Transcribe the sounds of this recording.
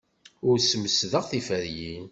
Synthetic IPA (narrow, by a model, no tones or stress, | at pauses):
ʊɾsməsðəʁθifəɾjin